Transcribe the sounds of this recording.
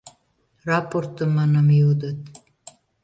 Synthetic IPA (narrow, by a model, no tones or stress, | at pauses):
rɑport̪əmːɑnɑmjud̪ət̪